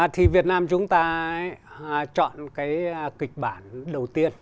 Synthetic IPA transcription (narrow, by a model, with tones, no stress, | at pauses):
t̪ʰi˨˩vi˨˩ət̚naː˧mt͡ɕʊ˨˦ŋ͡mt̪aː˧ | t͡ɕɔ̰˧˨nkaː˨˦jkï˨˩k̚ɓaː˧˩nɗə˨˩wt̪i˧ən